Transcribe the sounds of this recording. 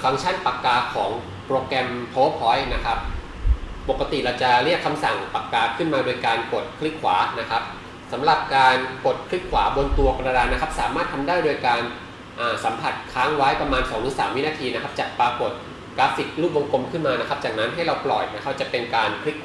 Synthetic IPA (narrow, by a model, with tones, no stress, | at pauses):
ka˧ŋt͡ɕʰa˥˩npa˨˩kːaː˨˩˥kʰɔː˩˦ŋ | pɾoː˧kɛ˧mpʰoː˦˥pʰɔ˦˥jna˦˥kʰa˦˥p̚ː | o˨˩kːa˧t̪i˨˩ɾa˧wt͡ɕa˨˩ɾi˥˩əkʰːa˧msa˨˩ŋpa˨˩kːaː˨˥kʰɯ˥˩nmaː˧doː˧jkaː˧npo˨˩t̪̚kʰli˦˥kʰːwaː˩˦na˦˥kʰa˦˥p̚ | sa˩˦mɾa˨˩p̚kaː˧npo˨˩t̪̚kʰɾi˦˥kʰwaː˩˦bo˧nt̪u˧ɐka˧a˧ɾaː˧na˦˥kʰa˦˥p̚saː˩˦maː˥˩t̪ʰa˧mdaː˥˩jdo˧jkaː˧n | ʔaː˨˩sa˩˦mpʰa˨˩t̪̚kʰaː˦˥ŋwaː˦˥jpɾa˧maː˧nsɔː˩˦ŋtʰɯ˨˩˦ŋsaː˩˦mːi˦˥naː˧t̪ʰiː˧na˥kʰa˦˥p̚t͡ɕaː˨˩k̚paː˧po˨˩t̪̚ | klaː˦˥p̚si˨˩t̪̚luː˥˩p̚wo˧ŋko˧mkʰɯ˥˩nmaː˧na˦˥kʰa˦˥p̚t͡ɕaː˨˩k̚na˦˥nɦa˥˩jɾa˧wplɔː˨˩t̪̚na˦˥kʰa˦˥p̚t͡ɕa˨˩pe˧nkaː˧nkʰɾi˦˥k̚ʰ